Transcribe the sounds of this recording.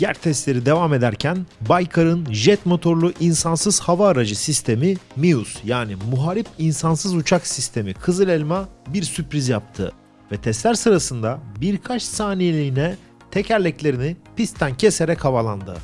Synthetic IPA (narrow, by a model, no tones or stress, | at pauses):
jæɾt̪ʰɛst̪lʲe̞ɾid̪e̞vame̞d̪æɾcʰænbajkʰaɾɯnʒɛt̪mo̞t̪ʰo̞ɾlˠuʔinsansɯz̥havaːɾad͡ʒɯsist̪ʰe̞mimijusjaːnimuɦaɾipinsansɯzut͡ʃʰaksist̪ʰe̞mikʰɯzɯlʲɛlʲmabiɾsypɾizjap̚t̪ʰɯ̰ | vɛt̪ʰɛst̪lʲæɾsɯɾasɯnd̪abiɾkʰat͡ʃsaːnijelʲiːnɛ | t̪ʰecʰæɾlʲɛclʲe̞ɾinipist̪ʰæncʰese̞ɾɛchavalˠand̪ɯ̰